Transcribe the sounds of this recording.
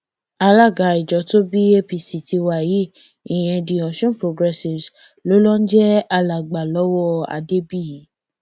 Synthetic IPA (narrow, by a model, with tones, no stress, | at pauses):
a˧la˦˨ɡa˨˦i˨d͡ʒɔ˨˦to˦bi˦e˦pi˧si˨ti˧wa˨ji˨˦ | i˨j̃ɛ̃˧dĩ˨ɔ̃˨ʃũ˦pɾo˧ɡɾɛ˧si˨s | lo˨˦lɔ̃˦n̩˦d͡ʒɛ˦a˧la˨ɡ͡ba˨lɔ˦wɔ˦a̰˨de˦bi˦˨ji˨˦